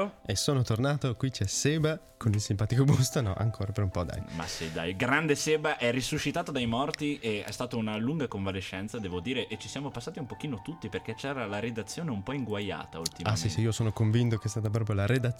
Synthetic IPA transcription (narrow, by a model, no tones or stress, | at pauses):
esoːnot̪ornaːt̪okwit͡ʃɛseːba | kʰonilsimpaːt̪ikobust̪onɔ̰ʔa̰ŋkʰoːɾapeɾumpɔd̪a̰jma̰sḭd̪a̰jɡɾand̪eseːbaʔɛrisuʃːit̪aːt̪od̪ajmɔrt̪ieɛ̰st̪aːt̪ounaluŋɡakoɱvaleʃːɛnt̪sad̪ɛːvod̪iːɾeʔet͡ʃisjaːmopasːaːt̪iumpok̟iːnot̪ut̪ːiperkɛt͡ʃɛːɾalaɾed̪at̪sːjoːneumpɔiŋɡwaja̰ːt̪ault̪imaassiseiːosoːnokoɱvint̪okeɛst̪aːt̪ap̬ɾɔp̬ɾjolaɾed̪at̪